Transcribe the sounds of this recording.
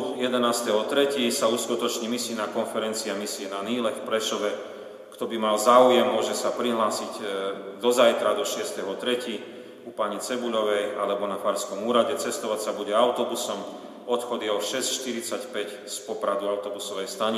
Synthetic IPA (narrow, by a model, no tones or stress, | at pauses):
jɛd̪ɛnaːst̪ɛɦɔt̪ɾɛcisauːskut̪ɔt͡ʃɲimisiːnakɔnfɛɾɛnt͡siamisiɛnaniːlɛfpɾɛʃɔʋɛ | kt̪ɔbimalzaːujɛmːʊɔʒɛsapɾiɦlaːsiɟd̪ɔzajt̪ɾad̪ɔʃɪɛst̪ɛɦɔt̪ɾɛci | upaɲɛt͡sɛbuʎɔʋɛjalɛbɔnafaɾskɔmuːɾaɟɛt͡sɛst̪ɔʋacsabuɟɛaʊt̪ɔbusɔm | ɔt̪xɔd̪jɛɔʃɛscʃt̪iɾit͡sacpɛc | spɔpɾad̪uaʊt̪ɔbusɔʋɛjst̪aɲi